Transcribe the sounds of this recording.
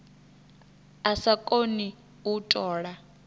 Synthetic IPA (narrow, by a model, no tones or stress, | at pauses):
asakʼoni | utʼɔːɺa